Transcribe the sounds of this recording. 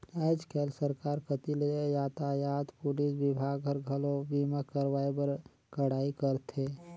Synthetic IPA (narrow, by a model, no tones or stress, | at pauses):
ɛɪd͡ʒkʰelsəɾkaːɾkət̪ileejaːt̪ajaːt̪pulisbibʱaɡɦəɾɡʱəlobimakəɾwaːibəɾ | kəɽaːikəɾt̪ʰe